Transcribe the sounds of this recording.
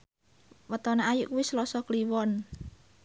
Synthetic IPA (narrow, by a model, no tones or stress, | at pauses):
wət̪ɔnaajuʔkuwislɔsɔkliwɔn